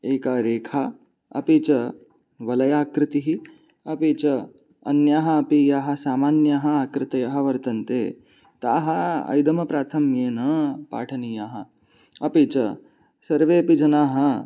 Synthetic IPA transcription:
eːkaːɾeːkʰaː | ɐ̰pit͡ʃɐ | ʋɐlɐjaːkɾɪt̪iɦi | ɐpit͡ʃɐ | ɐ̰njaːɦɐːpijaːɦɐ̆saːmaːnjaːɦɐaːkɾɪt̪ɐjɐɦɐ̆ʋɐɾt̪ɐnt̪eː | t̪a̰ːɦɐɐ̰jd̪ɐmɐpɾaːt̪ʰɐmːienɐpa̰ːʈʰɐnijaːɦɐ | ɐpit͡ʃɐ | sɐɾʋeːɐpid͡ʒɐnaːɦɐ̆

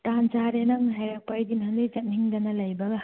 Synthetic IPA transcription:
tant͡ʃaɾenɐŋɦajɾak̚pajdinɦandɯjd͡ʒɐt̚niŋdɐnɐlɐjbɐɡɐ

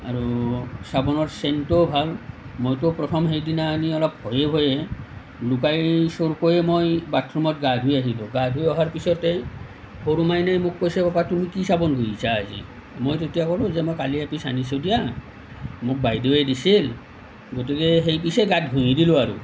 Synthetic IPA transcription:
a̰ɹusabɔnɔɹsentobʱalmojtopɹɔtʰɔmɦejdinaːniɔlɔp̚hɔjebʱoje | lukajsoɹkojɛmojbatʰɹɔmɔt̚ɡadɦojaɦilʊ̃ɡadʱɦojɔɦaɹpisɔtɛ | hoɾumajnajmʊkːojsɛbapatumikisabɔnɡʱojisa̰ːzḭ | mojt̬oetijakɔlʊ̃zɛmojkaliapisa̰nisodija | mʊk̚bajdoedisil | ɡotikeɦejpiseɡat̚ɡʱujidilʊaɾṵ

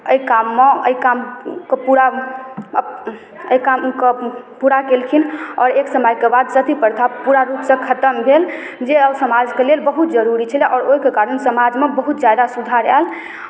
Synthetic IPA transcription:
əjkamːeə̰jkamkepuɾa | əjkamke | puɾakelkʰinɔːɾeksəməjkebad̪sət̪ipəɾt̪ʰapuɾaɾupsə̃kʰət̪əmbʱel | d͡ʒeəbsəmad͡ʒkelelbəɦut̪d͡ʒəɾuɾit͡ʃʰəlɛʔɔːɾojkekaɾənsəmad͡ʒmebəɦut̪d͡ʒjad̪asud̪ʱaɾa̰l

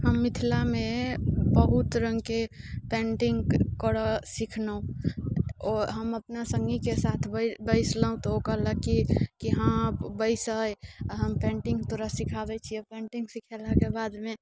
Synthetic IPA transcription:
həmːit̪ʰilamebəɦut̪ɾə̃ŋɡkepẽɳʈiŋɡkəɾəsikʰnəũ | ɔɾɦəməpnasəŋɡikesat̪ʰbbəɪsləũt̪ɔokəɦləkːikiɦãbəɪsəjɦəmpɛ̃ɳʈĩŋɡt̪oɾəsikʰabɛt͡ʃʰiɔpẽɳʈĩŋɡsikʰɛlakebad̪me

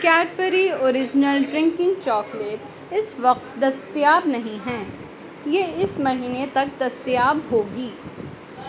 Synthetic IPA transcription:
kɛːʈpəɾioːɾɪd͡ʒnəlɖɾɪ̃ŋkɪ̃ŋɡt͡ʃɔːkleːʈ | ɪsʋɐq̚t̪d̪ɐst̪ijaːbnɐɦĩɦɛ̃ː | jeːɪsmɐɦiːnet̪ɐk̚d̪ɐst̪ijaːbɦoːɡiː

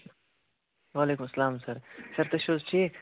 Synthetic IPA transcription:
waːleːkʊmɐsːɐlaːmsɐɾsɐɾt̪ɐʃozʈʰiːk

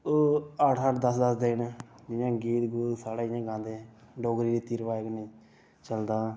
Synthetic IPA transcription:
oːəʈʰəʈd̪əsd̪əsd̪eːɪnɪjãːɡiːt̪ɡuːlsaːɽaːɪjãːɡãːd̪eː | ɖoːɡɾiːɾiːt̪iːɾʋaːeɡneː | t͡ʃəld̪aː

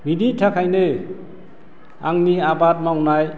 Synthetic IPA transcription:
miditʰakʰajnɯ | aŋniabat̚mawnaj

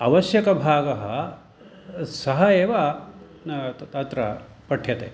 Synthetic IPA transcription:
ɐʋɐʃjɐkɐbʱaːɡɐɦɐ | sɐɦɐeːʋa | t̪ɐt̪ɾɐ̰ | pɐʈʰjɐt̪ḛ

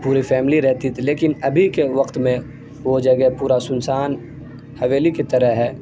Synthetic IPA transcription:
puːɾifɛːmɪliɾɛɦt̪it̪ʰileːkɪnɐbʱikeʋɐqt̪mẽ | ʋod͡ʒɐɡɛɦpuːɾasʊnsaːn | hɐʋeːlikit̪ɐɾəɦɦɛː

